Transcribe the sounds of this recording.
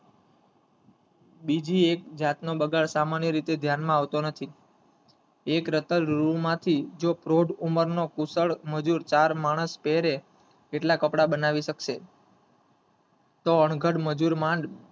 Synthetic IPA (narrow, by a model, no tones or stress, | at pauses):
bid͡ʒiekd͡ʒat̪nobəɡaɭsamanjəɾit̪ed̪ʱjanmãaʋt̪onət̪ʰi | ekɾət̪əlɾũmãt̪ʰid͡ʒopɾoɖuməɾnokusəɭməd͡ʒuɾt͡ʃaɾmaɽ̃əspɛɾe | keʈlakəpɽabənaʋiʃəkʃe | t̪oəɳɡʱəɽməd͡ʒuɾmãɳɖ